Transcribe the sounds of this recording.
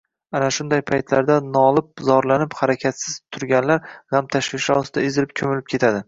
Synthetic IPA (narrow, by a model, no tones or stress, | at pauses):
anaʃʊnd̪ajpʰajt̪ʰlaɾd̪anɒːlˠɪp̚zɒɾlanɪphaɾakʲʰat̪sɪz̥t̪ʰʊɾɡʲanlaɾhamt̪ʰaʃvɪʃɒsɪd̪aɪzɪlɪp̚kʲʰɵmɪlɪp̚kʲe̞t̪ʰad̪ɪ